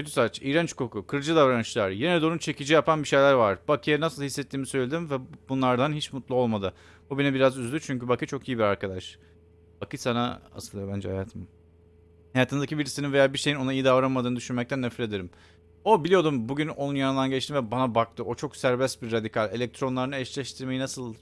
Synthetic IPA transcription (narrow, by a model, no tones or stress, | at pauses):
ød̪ysaːt͡ʃijɾɛnt͡ʃkʰo̞kʰukʰɯɾd͡ʒɯd̪avɾanɯʃlˠaɾje̞nɛd̪oɾunt͡ʃʰe̞cid͡ʒijapʰanbiʃe̞jlʲæɾvaɾb̥akʰɯjanasɯlˠhisːɛt̪ːiːmisø̞jlʲe̞d̪imvɛbunlˠaɾd̪anɦit͡ʃmut̪lˠuo̞lˠmad̪ɯ | bubenɛbiɾazyzlʲyt͡ʃʰyɲcybakɯt͡ʃʰo̞kijibiɾaɾkad̪aʃ | b̥akʰɯsana̰a̰sɯlˠɯjo̞bænd͡ʒɛ̰hajaːt̪ʰɯm | hajaːt̪ʰɯmzd̪acibiɾisininvejaːbiʃe̞jino̞naijid̪avɾanmad̪ɯːnɯd̪yʃynmɛc̚t̪ʰænːɛflʲe̞d̪e̞ɾim | o̞bilʲijo̞d̪umbuɟyno̞nunjanɯnd̪anɟɛt͡ʃt̪imvɛbanabak̚t̪ʰɯʔo̞t͡ʃʰo̞ksæɾbɛst̪biɾːad̪ikʰalʲe̞lʲɛc̚t̪ʰɾo̞nlˠaɾɯnɯɛʃlʲɛʃt̪ʰiɾme̞jinasɯlˠ